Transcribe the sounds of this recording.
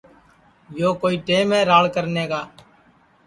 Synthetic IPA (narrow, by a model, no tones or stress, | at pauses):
joːkoːiːʈeːmɛ̃ːɾaːɭkəɾneːkaː